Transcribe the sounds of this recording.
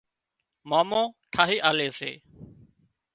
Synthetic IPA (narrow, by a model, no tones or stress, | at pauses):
maːmõːʈʰaːɦiːʔaːleːsḛː